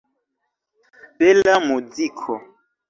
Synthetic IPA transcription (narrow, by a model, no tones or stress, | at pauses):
bɛlamud͡zikʰɔ